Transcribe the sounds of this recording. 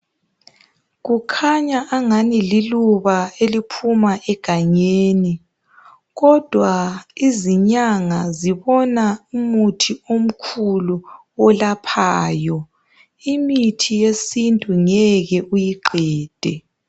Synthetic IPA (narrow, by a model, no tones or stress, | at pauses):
ɣukʰaɲaʔːŋanililuβaelipʰumaʔɛɡ̥ʱaɲeːni | ɣɔd̥ʱwaiziɲaŋaziβɔnaumutʰiom̩kʰulu | ɔlapʰaːjɔ | imitʰijesintʼuŋɛɣɛʔujiǃɛːd̥ʱɛ